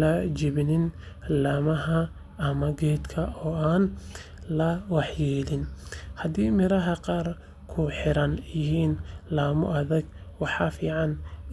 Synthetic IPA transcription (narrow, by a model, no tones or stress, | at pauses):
ɐd͡ʒɪβɪnɪn | laːmɐɦɐ | ʔːmɐɡɛːd̪kʰɐʔɔːaːn | lɐwɑħjɛːlɪnhɐd̪iːmɪɾɐɦɐqɑːr | kʰʊħɪɾɐnjɪɦiːnlaːmʊ̰ʔɐðɐɡwɑħɑfiːʕɑn